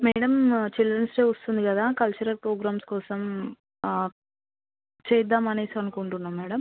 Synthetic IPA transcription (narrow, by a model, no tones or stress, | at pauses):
mɛːɽɐmt͡ʃildɾɐnsʈeːost̪und̪ikɐd̪aːkɐlt͡ʃɐɾɐlpɾoːɡɾaːmskɔːsɐm | t͡ʃɛːjd̪ːaːmɐne̞ːsiɐnukuɳʈunːaːmːɛːɽɐm